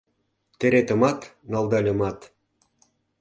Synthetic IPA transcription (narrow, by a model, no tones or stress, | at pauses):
t̪eɾet̪ə̆mɑt̪nɑld̪ɑlʲĕmɑt̪